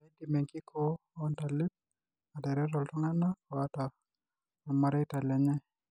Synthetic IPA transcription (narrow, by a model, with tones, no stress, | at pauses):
ɛ˦ndi˨mɛ˨ŋkɪ˦kʰɔ | ɔ˦nta˨lɪ˦t̚ | a˨dɛ˨ɾɛ˦ɾɔ˨ltɔ˦ŋa˦na˦kɔa˦ta˨ | a˨ma˨ɾɛ˦ta˨lɛ˨ɲɛ˦